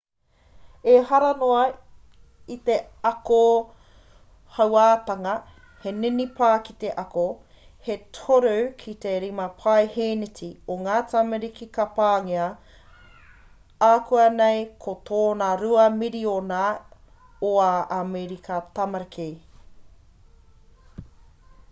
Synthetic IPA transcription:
ehɐɾɐnoɐ | it̪e | ɐko | hɐwaːt̪ɐŋɐ | he̞ninipʰaːkit̪e̞ʔɐko | hetʰoɾowkʰit̪eɾimɐpʰajheːnitʰioŋaːtɐmɐɾikikɐpaːŋiɐ | aːkʰuɐnejkʰot̪ʰoːnɐɾuɐmiɾiona | oaʔameɾikʰɐt̪ɐmɐɾkʰe

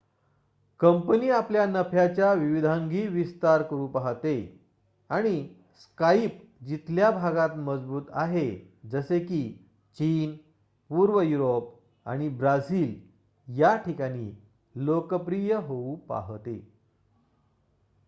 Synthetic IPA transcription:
kəmpəniːapljanəpʰjat͡ɕjaʋiʋid̪ʱãŋɡiːʋist̪aɾkəɾuːpaɦt̪e | aɽ̃i | skaip | d͡ʑit̪ljabʱaɡat̪məd͡zbuːt̪aɦe | d͡zəsekiː | t͡ɕiːn | puːɾʋəjuɾop̚ | a̰ɽ̃ibɾad͡ziːl | jaʈʰikaɽ̃iː | lokəpɾijəɦoupa̰ɦt̪ḛ

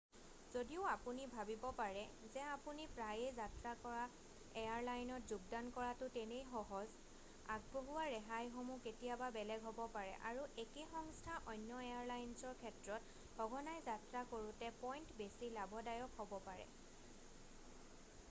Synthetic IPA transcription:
z̥odiʊapunibʱabibɔpaɹɛzɛapunipɹajɛzatɹakɔɹa | ejaɹlajnɔtzuɡ̚dankɔɹatʊtɛnejxɔɦɔz | a̰ɡ̚boɦuwaɹɛɦajxomuketijababɛlɛɡɦobɔpaɹɛ̰ʔa̰ɹuekexɔŋstʰaʔɔjnjɔejaɹlajnsɔɹkʰɛtɹɔt | hɔɡʱɔnajzatɹakoɹutɛpɔjntbesilabɔdajɔkɦobɔpaɹɛ̰

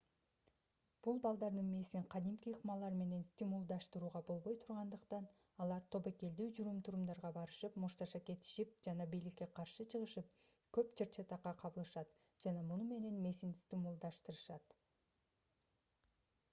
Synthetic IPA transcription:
b̥ulˠbɑlˠd̪ɑɾd̪ɯnme̞siɴqʰɑd̪imkʲiqmɑlˠɑɾme̞ne̞nst̪ʲimulˠd̪ɑʃt̪ɯɾuːʁɑbo̞lˠβo̞jt̪ʰuɾʁɑnd̪ɯqt̪ɑn | ɑlˠɑɾt̪ʰo̞peke̞ld̪yːd͡ʒuɾumt̪ʰuɾumd̪ɑɾʁɑbɑɾɯʃɯpmuʃt̪ɑʃɑke̞t̪ɪ̥ʃip̚d͡ʒɑnɑbijlikʲːe̞qʰɑɾʃɯt͡ʃʰɯʁɯʃɯp̚ | køpt͡ʃʰeɾt͡ʃʰet̪ɑqːɑqʰɑβɯlˠɯʃɑt̪d͡ʒɑnɑmunume̞ne̞nme̞sinst̪ʲimulˠd̪ɑʃt̪ɯɾɯʃɑt̪

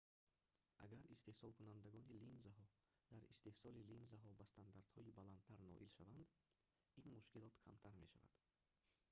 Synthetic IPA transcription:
ʔa̰ɡaɾist̪e̞hsɔlˠkʰunand̪aɡɔnilinzaɦɔ | d̪aɾḭst̪e̞hsɔlilinzaɦɔbast̪ʰand̪aɾd̪hɔibalan̚t̪ʰaɾnɔ̰ʔilʃavand̪ | inmuʃkilɔt̪kʰa̰mt̪ʰaɾmeʃa̰va̰d̪

